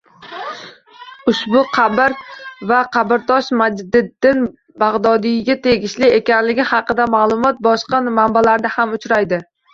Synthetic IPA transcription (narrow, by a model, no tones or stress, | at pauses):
ʊʃbʊqʰɑbɪɾvaqʰɑbɪɾt̪ʰɒʃmad͡ʒd̪ɪdd̪ːɪn | baʁd̪ɒd̪ijɡʲat̪ʰe̞ɡʲɪʃlɪekʲanlɪɡʲɪhɑqɨd̪amalˠʊmɒt̪̚bɒʃqɑmambalaɾd̪ahamʊt͡ʃɾajd̪ɪ